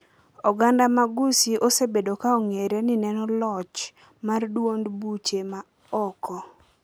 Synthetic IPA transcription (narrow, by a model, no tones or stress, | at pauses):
ɔɡandamaɡusiʔosebedokaoŋeɾenɪnɛnɔlɔt͡ʃ | mardwondbut͡ʃema | ɔkɔ